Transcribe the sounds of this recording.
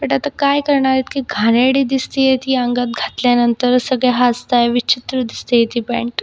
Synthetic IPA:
pəʈat̪akajkəɾɳaɾit̪kiɡʱaneɽiːd̪ist̪ijet̪iːaŋɡat̪̚ɡʱat̪ljanənt̪əɾsəɡɭjaɦast̪ajʋit͡ɕit̪ɾəd̪ist̪ijet̪iːpɛ̰ɳʈ

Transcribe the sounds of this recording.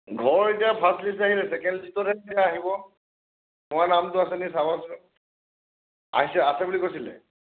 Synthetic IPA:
ɡʱɔɹetijapʰaslisaɦilɛsɛkɛndzitɔtɛdijaːɦibɔ | mʊ̃anamtʊasɛnisabasu | a̰ɦisɛasɛbulikojsilɛ̰

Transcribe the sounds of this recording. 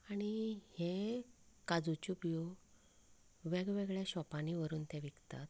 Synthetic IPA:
aɽ̃ihe | kad͡zut͡ɕupjo | ʋeɡʋeɡɭjaɕɔpañiʋəɾuːnt̪ẽʋiɡt̪a̰t̪

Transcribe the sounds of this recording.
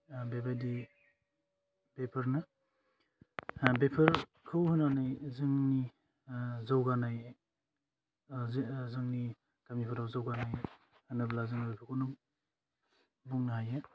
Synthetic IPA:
bebadi | bepʰɐɾnɯ | bepʰɐɾ | kʰɯwhɯnanajzɯŋni | zawɡanaj | zɯŋni | tamipʰaɾawzawɡanaj | nɯblazɯŋnbepʰaɾkʰonuŋ | buŋnaɦaje

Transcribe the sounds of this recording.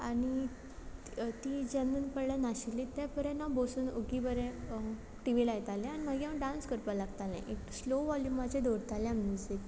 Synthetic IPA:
aɽi | t̪id͡ʑɛnuːnpəɽlanaɕilit̪japəɾɛnabosuːnoɡibəɾẽ | ʈiʋilajt̪alɛ̃añim̤aɡiɦãɖãnskəɾpalaɡt̪alḛ̃ʔeksloʋɔljumat͡ɕẽd̪oɾt̪aljãmnjud͡z̪et̪

